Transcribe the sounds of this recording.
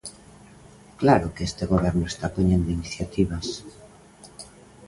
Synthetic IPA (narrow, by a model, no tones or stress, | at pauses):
klaɾokeest̪eɣoβɛɾnʊest̪apoɲend̪oiniθjat̪iβas